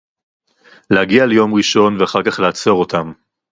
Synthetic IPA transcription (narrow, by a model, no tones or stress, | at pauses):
lehaɡialejo̞mʁiʃo̞nveaχaʁkaχleat͡so̞ʁo̞tam